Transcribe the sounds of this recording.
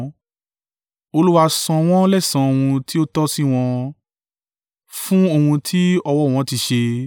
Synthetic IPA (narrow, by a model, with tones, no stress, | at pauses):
o˧lu˦wa˧sɔ̃˧w̃ɔ̃˦lɛ˦˨sã˨o˨hũ˧ti˦o˦tɔ˦si˦w̃ɔ̃˧ | fũ˦o˦˧˨hũ˧tʰi˦ɔ˧wɔ˦˨w̃ɔ̃˨˦ti˧ʃe˧